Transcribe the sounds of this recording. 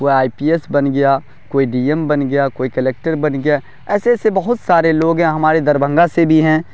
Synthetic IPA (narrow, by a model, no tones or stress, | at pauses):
koːiaːipiːesbɐnɡɐjaː | koːiɖiːɛmbɐnɡɐjakoːikɐleːk̚ʈəɾbɐnɡɐja | ɛːsesebɐɦʊt̪saːɾeloːɡɦɛ̃ɦɐmaːɾed̪ɐɾbʱə̃ŋɡasebʱiɦɛ̃ː